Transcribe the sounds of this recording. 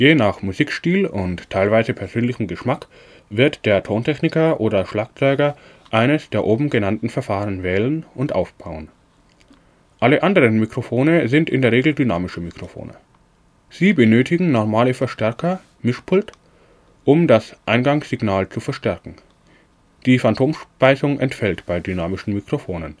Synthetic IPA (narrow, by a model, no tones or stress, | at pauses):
jeːnaːχmuziːkʃtiːlʊnttʰːaɪlvaɪzəpʰɛɐzøːnlɪçm̩ɡəʃmak | v̥ɪɐtd̥eːɐtʰoːntʰɛçnɪkɐʔoːdɐʃlaːk̚t͡sɔʏɡɐ | ʔaɪnəsd̥eːɐʔoːbm̩ɡənantn̩fɛɐfaːʁənvɛːlənʊntʔa̰ʊfb̥aʊən | ʔaləʔandəʁənmikʁ̥ofoːnəzɪntɪndeːɐʁeːɡl̩dynaːmɪʃəmikʁ̥ofo̰ːnʔə̰ | z̥iːbənøːtʰɪɡŋ̩nɔɐmaːləfɛɐʃtɛɐkɐ | mɪʃpʰʊlt | ʔʊmdasʔaɪnɡaŋsz̥ɪɡnaːlt͡sufɛɐʃtɛɐkŋ̩ | d̥iːfantʰoːmʃpaɪsʊŋʔɛ̰ntfɛltb̥aɪdynaːmɪʃn̩mikʁ̥ofoːnən